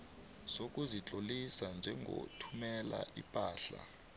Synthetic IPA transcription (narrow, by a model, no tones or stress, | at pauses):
sok̬ʼuzit͡ɬʼolisand͡ʒʱɛŋɡʱo̰tʰumɛla̰ʔḭpʼaːɬa̰